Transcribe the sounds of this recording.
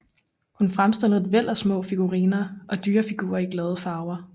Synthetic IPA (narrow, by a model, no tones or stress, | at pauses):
hunfʁamsd̥en̰ð̩ˠʋel̰ɒsmɔ̰̽ːfiɡ̥uʁḭːnɐʔɒ̽d̥yːɐfiɡ̥ṵːɐiɡ̥lɛð̞ˠəfɑ̈ʊɐ